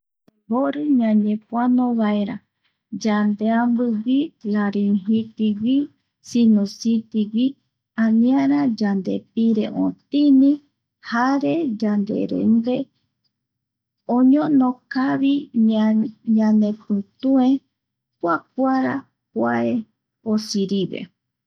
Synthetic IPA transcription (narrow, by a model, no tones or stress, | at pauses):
boɾɨɲãɲẽpwanõβaeɾa | d͡ʒand̪eambɨwilaɾeɦit̪iwi | sinũsit̪iwi | ãnĩaɾad͡ʒand̪ḛpiɾeʔõt̪ĩnĩ | haɾed͡ʒand̪ḛɾḛnb̪e | õɲõnõkaβi | ɲãnepɨ̃t̪uẽ | pʷak̚ʷaɾa | pwa̰e | osiɾiβḛ